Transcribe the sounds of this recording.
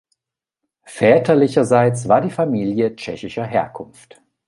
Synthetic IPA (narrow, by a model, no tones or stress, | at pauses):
fɛːtʰɐlɪçɐzaɪt͡sv̥aːɐdiːfamiːljət͡ʃɛçɪʃɐɦeːɐkʰʊnft